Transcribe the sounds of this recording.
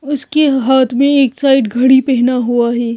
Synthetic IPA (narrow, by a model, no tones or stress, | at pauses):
ʊskeɦaːt̪ʰmẽeːksaːɪʈɡʱɐɽipɛɦnaɦuaɦɛː